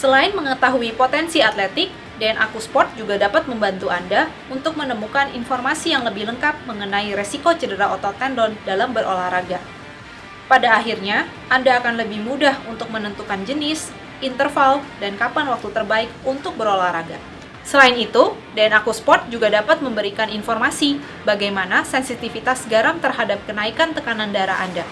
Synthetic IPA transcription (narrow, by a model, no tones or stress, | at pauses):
səlaɪnməŋət̪aɦuipot̪ɛnsiat̪lɛt̪ɪk̚ | dɛnʔa̰kuspɔt̪̚d͡ʒuɡadapat̪̚məmbant̪uanda | unt̪ʊk̚mənəmukaninfɔrmasijaŋləbɪhləŋkap̪̚məŋənaiɾesikot͡ʃədəɾaot̪ɔt̪ɛndɔndalambəɾʔo̰lahɾaɡa | padaːɦirɲa | ʔandaːkanləbɪhmudahunt̪ʊk̚mənənt̪ukand͡ʒənɪs | ʔint̪ərfaldankapanwak̚t̪ut̪ərbaɪk̚unt̪ʊk̚bəɾolahɾaɡa | səlainit̪u | danakuspɔt̪̚d͡ʒuɡadapat̪̚məmbəɾikaninfɔrmasi | baɡajmanasɛnsit̪ifit̪asɡaɾaŋt̪ərɦadap̚kənaikant̪əkanandaɾa̰a̰nda